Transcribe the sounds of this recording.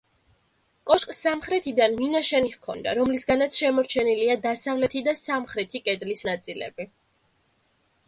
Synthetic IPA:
kʼɔʃkʼsamχɾɛt̪ʰid̪anminaʃɛniχkʰɔnd̪a̰ɾɔmlisɡanat̪sʰʃɛmɔɾt͡ʃʰɛniliad̪asavlɛt̪ʰid̪asamχɾɛt̪ʰikʼɛd̪lisnat̪sʼilɛ̰bi

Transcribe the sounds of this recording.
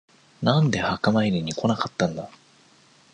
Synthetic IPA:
nãnd̪e̞hakamaiɾʲiɲ̟ikʰo̞nakat̪ːãnd̪a

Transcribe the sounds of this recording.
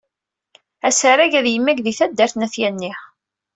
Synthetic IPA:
æsəɾæʝæðjəmːæɡðiθæd̪ːəɾθnæθjænːiħ

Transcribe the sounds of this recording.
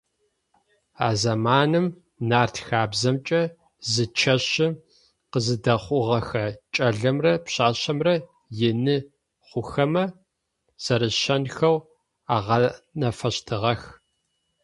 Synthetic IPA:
a̰ːzɐmaːnɨm | naːrtʰxaːbzɐmt͡ʃʼɐ | zɨt͡ʃʰɐɕɪ | qəzɨdɐχʷʊʁɐxɐt͡ʃʼɐɮɐmrɐpɕaːɕɐmrɐ | jɪnɨ | χʷʊxɐmɐ | z̥ɐɾɨɕɐnxɐw | aːʁɐnɐfɐɕtʰɨʁɐx

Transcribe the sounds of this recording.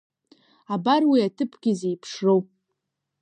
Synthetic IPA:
abarwiatʰɨpʰɡʲize̞jpʰʂrow

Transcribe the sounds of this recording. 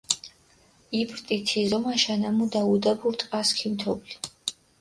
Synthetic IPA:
ibɾt̪ʼit̪ʰizɔmaʃanamud̪aud̪abuɾt̪ʼqʼaskʰimt̪ʰɔbli

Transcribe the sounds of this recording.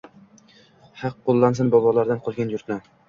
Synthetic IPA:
hɑqːolˠːansɪnbɒbɒlˠaɾd̪anqʰɒlˠɡʲanjʊɾt̪na

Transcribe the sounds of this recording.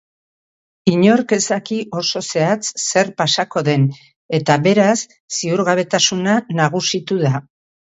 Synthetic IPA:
iɲo̞ɾke̞sakiʔo̞so̞se̞at͡sːe̞ɾpasako̞ðe̞n | e̞t̪aβe̞ɾasː | iuɾɣaβ̞e̞t̪asunanaɣ̞usit̪uða

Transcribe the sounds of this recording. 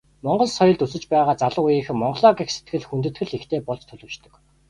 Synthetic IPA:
mɔɴɢɞ̆ɮsɔjɞ̆ɮt̪usɘ̆t͡ɕpæːʁaːt͡saɮʊ̆ujiːŋxɘ̆mɔɴɢɞ̆ɮɔːɡikse̥t̪̚ɡɘ̆ɮxunt̪ɘ̆t̪ɡɘ̆ɮext̪ʰeːpɔɮt͡ɕt̪ʰɵɮoːʃt̪ɵ̆k

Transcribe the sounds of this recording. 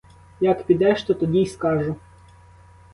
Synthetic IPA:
jɐkpʲid̪ɛʃt̪ɔt̪ɔdʲiskɑʒʊ

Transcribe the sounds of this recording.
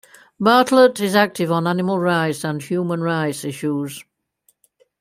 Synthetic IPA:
bɑˑtʰlətɪzak̚tʰɪvn̩anɪməlˠɹaɪtsə̃nhjuːmə̃nɹaɪtsɪʃuz̥

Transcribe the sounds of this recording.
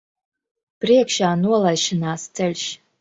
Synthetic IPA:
pɾiɛkʃaːnuɔlˠajʃinaːst̪sɛlʲʃ

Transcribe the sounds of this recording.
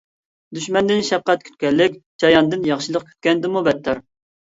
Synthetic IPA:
d̪yʃmɛnd̪ɪnʃɛp̚qɛt̪̚kʲʰy̥t̪̚kʲɛlːɪkʲd͡ʒɑjɑnd̪ɨnjɑχʃilˠəq̚kʰʲy̥t̪̚kʲɛnd̪ɪmubɛt̪ʰːɑɾ

